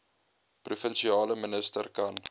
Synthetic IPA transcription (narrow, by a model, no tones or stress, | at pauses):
prufənʃiɑːləmənəstərkɐn